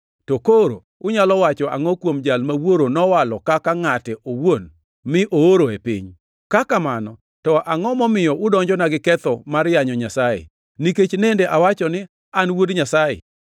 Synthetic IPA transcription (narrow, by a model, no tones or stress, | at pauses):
tokoɾo̰ | ʊɲalɔwat͡ʃɔa̰ŋɔkwomd͡ʒalmawoɾonɔwalɔkakaŋatɛʔowon | mɪʔooɾoepɪ̰ɲ | kakamanɔ | tɔʔaŋɔmɔmɪjɔʔʊdɔɲd͡ʒɔnaɡɪkɛt̪ɔmarjaɲɔɲasajḛ | niket͡ʃnendeʔawat͡ʃɔnɪ | anwodɲasajḛ